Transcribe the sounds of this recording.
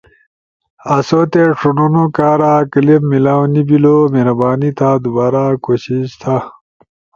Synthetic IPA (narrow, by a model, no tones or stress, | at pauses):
ɐsot̪eʂununokaːɾakɐlimmilawnibilomeɾɐbaːnit̪ʰaːd̪ubaːɾakoɕiɕt̪ʰa